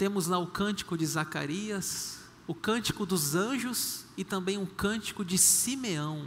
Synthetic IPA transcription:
t̪ẽmʊzlɐʊkɐ̃nt͡ʃi̥kʊd͡ʒɪzaka̰ɾiɐs | ʊkɐ̃nt͡ʃi̥kʊd̪ʊzɐ̃ʒʊsɪt̪ɐ̃mbẽj̃ʊkɐ̃t͡ʃi̥kʊd͡ʒɪsimeɐ̃w̃

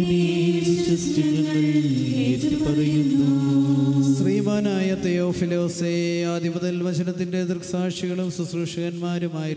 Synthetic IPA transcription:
bisitɐstiŋɐɳɖɐleɾk̪ːipɐrɐjunːu | sriːmaːnaːjɐt̪ejoːfilo̞ːseaːd̪ʱibɐðɐlʋɐt͡ɕʰɐnɐt̪ːinded̪ɨrksaːʂiɣɐɭumsusruʂɐɣɐnmaːɾumaːji

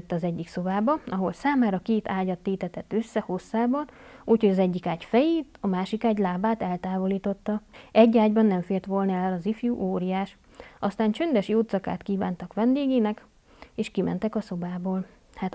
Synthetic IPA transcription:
t̪ːɒzɛɟːikso̞baːbɒɒɦo̞lsaːmaːɾɒkeːt̪aːɟɒt̪ːeːt̪ɛt̪ɛt̪ːøsːɛho̞sːaːbɒnuːcho̞ɟɒzɛɟːikaːɟfɛjeːt̪ɒmaːʃikaːɟlaːbaːt̪ɛlt̪aːvo̞liːt̪o̞t̪ːɒɛɟːaːɟbɒnːɛɱfeːrt̪ʋo̞lnɒɛlɒzifjuʔoːɾijaːʃ | ɒst̪aːnt͡ʃønd̪ɛʃjoːt̪sɒka̰ːt̪kiːvaːnt̪ɒkʋɛnd̪eːɡeːnɛk | eːʃkimɛ̰nt̪ɛkɒso̞baːboːl | hat̪

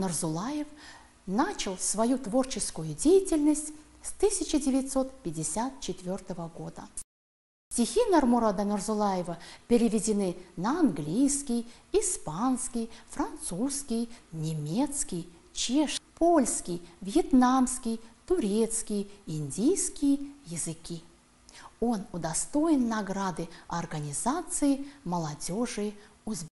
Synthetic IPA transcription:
nərzʊlˠajɪf | nat͡ɕɪlˠsvɐjut̪vo̞rt͡ɕɪskʊjʊdʲejɪtʲɪlʲnəsʲtʲ | st̪ɨsʲɪt͡ɕɪdʲɪvʲɪt̪so̞t̪pʲɪdʲɪsʲat̪̚t͡ɕɪt̪ʲvʲort̪əvəɡod̪ə | fsʲtʲɪxʲinɐrmʊɾad̪ənərzʊlˠajɪvəpʲɪɾʲɪvʲɪdʲɪnɨnəɐnɡlʲijskʲɪj | ɪspanskʲɪjfɾɐnt̪suskʲɪjnʲɪmʲet̪skʲɪj | t͡ɕeʂpʰolʲskʲɪjvʲjɛt̪namskʲɪjt̪ʊɾʲet̪skʲɪjəɪnʲdʲijskʲɪjəjɪzɨkʲi | o̞nʊd̪ɐst̪o̞ɪnːɐɡɾad̪ɨɐrɡənʲɪzat̪sɨjɪməlˠɐdʲoʐɨʊz

